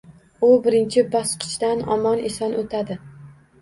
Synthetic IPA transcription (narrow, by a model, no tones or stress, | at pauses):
ʊbɪɾɪnt͡ʃʰɪbɒsqʰɨ̥t͡ʃd̪anɒ̰mɒnɪsɒnʔot̪ʰad̪ɪ